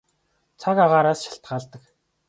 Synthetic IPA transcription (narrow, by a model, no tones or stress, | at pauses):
t͡sʰakaʁaːɾaːsʃḁɬt̪ɢaːɮt̪ə̆k